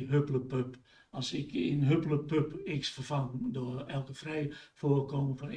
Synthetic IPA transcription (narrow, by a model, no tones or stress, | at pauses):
ɦøpələpøp | ɔsɪkɪnɦøpələpøpɪksfərfaŋdoəɛlˠkəfrɛjfoəkoːməfɔn